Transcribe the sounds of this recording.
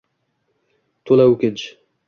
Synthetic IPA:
t̪ʰolˠaukʲɪnt͡ʃ

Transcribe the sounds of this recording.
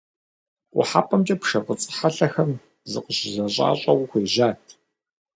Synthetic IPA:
qʷʼʊ̰ħaːpʰʼɐmt͡ʃʼɐpʂɐqət͡sʼɨ̥ħaɬɐxɐm | zɨ̰qəɕɪzɐɕʼa̰ːɕʼɐwʊxʷeːʒaːtʰ

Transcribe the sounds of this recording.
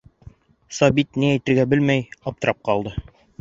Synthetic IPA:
sɑbit̪niæjt̪ɘ̆ɾɡæbɘlmæjɑp̚t̪ɤ̆ɾɑp̚qɑlˠd̪ɤ

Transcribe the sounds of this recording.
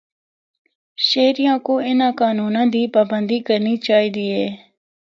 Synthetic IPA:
ʃeːɾɪjãːkoːɪnãːkaːnuːnãːd̪iːpaːbənd̪iːkəɾniːt͡ʃaːɦiːd̪iːɦɛː

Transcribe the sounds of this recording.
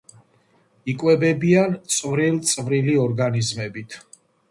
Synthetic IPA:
ikʼwɛbɛbiant̪sʼvɾilt̪sʼvɾiliɔɾɡanizmɛbit̪ʰ

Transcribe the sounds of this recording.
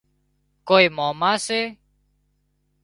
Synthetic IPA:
koːiːmoːmaːseː

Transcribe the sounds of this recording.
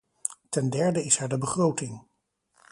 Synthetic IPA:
tɛndɛɹdəɪsɛɹdəbəχrowtɪŋ

